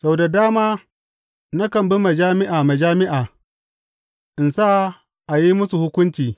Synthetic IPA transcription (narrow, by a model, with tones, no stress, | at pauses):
sa˨wda˨daː˦maː˦ | na˦kɐ˨mbɪ˦me˨d͡ʒaː˦mɪ˦ʔaː˨me˨d͡ʒaː˦mɪ˦ʔaː˨ | ʔɪ˨nsa˦˨ | ʔa˨ji˦mʊ˦su˨hʊ˦kʷʊ˦nt͡ʃiː˨